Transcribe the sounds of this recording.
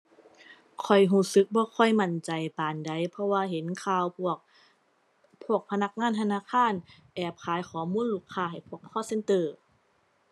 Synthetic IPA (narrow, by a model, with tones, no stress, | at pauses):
kʰɔ˨˩jɦuː˧˩˨sɯ˧˦k̚bɔː˧˦kʰɔ˧˩jma˧˩nt͡ɕa˨jpaː˨nda˨˩jpʰɔ˧waː˧ɦe˨˦nkʰaː˧˩wpu˧˩ək̚ | pʰu˧˩ək̚pʰa˧na˧˥k̚ŋaː˧˥˨nt̪ʰnaː˧˨kʰaː˧˥˨nʔɛː˧˩p̚kʰaː˨˦jkʰɔː˨˦muː˧˥˨nluː˧˩kʰːaː˧˩ɦa˨˩jpʰu˧˩əkʰːɔː˧˥˩se˧˥˨nt̪ɤː˧˩